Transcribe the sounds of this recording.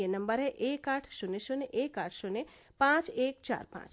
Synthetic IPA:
enəmbəɾeʔekaʈʰʃuneʃoneʔekaʈʰʃone | pãt͡ʃek̚t͡ʃa̰ɾpã̰t͡ʃ

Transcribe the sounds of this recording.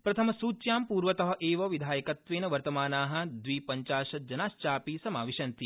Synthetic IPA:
pɾɐt̪ʰɐmɐsuːt͡ʃjaːmpuːɾʋɐt̪ɐɦɐ̆ʔeːʋɐʋid̪ʱaːjɐkɐt̪ʋeːnɐʋɐɾt̪ɐmaːnaːɦɐ̆d̪ʋipɐɲt͡ʃaːʃɐd͡ʒɐnaːʃt͡ʃaːpisɐmaːʋiʃɐnt̪i

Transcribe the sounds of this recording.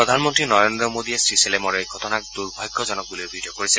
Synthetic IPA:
pɹɔd̪ʱanmɔnt̪ɹinɔɹendɔmod̪iesɹiselemɔɹeɡʱɔtɔnak̚d̪uɹbʱajɡːɔzɔnɔk̚bulibʱidijɔkoɹisɛ

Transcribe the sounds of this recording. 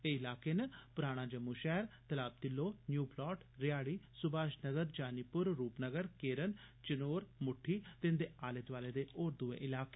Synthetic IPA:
eːɪlaːkeːnəpʊɾaːɽ̃ãːd͡ʒəmːuːʃɛːɾt̪əlaːb̚t̪ɪlːoːnjuːplɔːʈɾɪjaːɽiːsʊbaːʃnəɡəɾd͡ʒaːnipʊɾːuːpnəɡəɾkeːɾənt͡ʃənoːɾmʊʈʰːiːt̪ɪnd̪eːʔaːlɪt̪ʋaːleːd̪eːʔoːɾd̪ʊʋḛːʔɪlaːkeː

